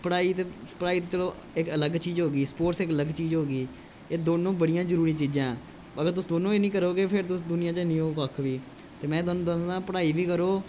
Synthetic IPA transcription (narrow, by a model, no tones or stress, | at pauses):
pəɽaːiːt̪epəɽaːiːt̪eːt͡ʃəloː | ɪkələɡt͡ʃiːd͡ʒɦoːɡiːspoːʈsɪkələɡt͡ʃiːzɦoːɡiː | eːd̪oːnõːbəɽijãːd͡ʒəɾuːɾĩːt͡ʃiːd͡ʒãː | əɡəɾt̪̬ʊsd̪oːnõːeːnĩːk̬əɾoːkepʰɪɾt̪ʊsd̪ʊnɪjãːt͡ʃənĩːoːkəkʰʋiː | t̪eːmɛ̃ːd̪oːñːd̪oãːpəɽaːiːʋiːkəɾoː